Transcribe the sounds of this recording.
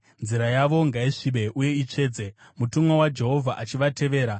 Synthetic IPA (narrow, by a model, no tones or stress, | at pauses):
nziɾajaʋo̞ŋɡaiʂiɓe̞ʔuje̞it͡ʂe̞ːd͡ze̞ | mutumwawad͡ʒe̞ɦo̞vʱaʔat͡ʃiʋate̞ʋe̞ːɾa